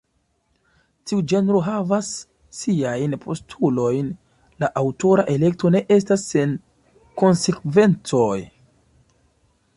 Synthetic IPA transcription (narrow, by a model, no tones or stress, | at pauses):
tiud͡ʒe̞nɾo̞ɦavasː | iajnpʰo̞stʰulo̞jn | laʔawtoɾaʔe̞le̞k̚to̞ne̞ʔe̞s̬tasːe̞n | ko̞nse̞kve̞nt͡so̞j